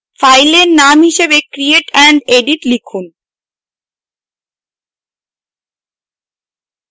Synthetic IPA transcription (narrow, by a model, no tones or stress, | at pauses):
fajleɾnamɦiʃebekɾieʈɛɳɖeɖiʈlikʰun